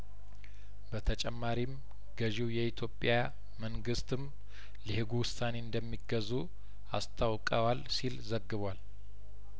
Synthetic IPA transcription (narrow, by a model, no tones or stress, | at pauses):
bət̪ʰət͡ʃʼɛmːaɾim | ɡ̥əʒiwjɛit̪ʰjo̞pʼja | məŋɡɨst̪ɨm | lihɨɡuwʊsane̞ɨnd̪əmːiɡəzu | a̰st̪ʰawkʼəwalsilzəɡːɨβʷal